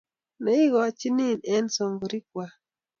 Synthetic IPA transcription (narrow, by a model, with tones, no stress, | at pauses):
ne˨˦i˦ɣɔ˨t͡ʃi˦ni˦˨nɛ˦nso˨ŋɡo˨ɾi˦kwa˨